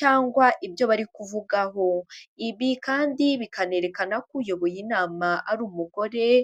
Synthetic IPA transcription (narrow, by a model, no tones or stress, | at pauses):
t͡ʃaːŋɡwaʔibjo̞βaɾikuvuɡaɦo̞iβikaːndiβikane̞ɾe̞kanakujo̞βo̞jinaːmaʔaɾuːmuɡo̞ɾe̞